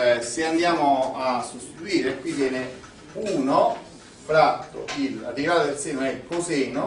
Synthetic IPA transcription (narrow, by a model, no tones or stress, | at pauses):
seand̪jaːmoasːost̪it̪uiːɾekwit̪jɛːne | uːno | fɾat̪ːo̰ila̰t̪ːiiɾaːt̪od̪elseːnoɛkːoseːno